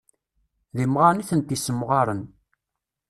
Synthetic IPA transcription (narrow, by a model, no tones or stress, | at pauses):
ðimʁaniθənt̪isəmʁɑɾˤən